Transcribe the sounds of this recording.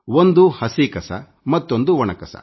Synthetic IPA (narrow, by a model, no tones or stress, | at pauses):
ond̪uhɐsikɐsɐ̰ | mɐt̪ːo̞nd̪uʋɔɳɐkɐsɐ̰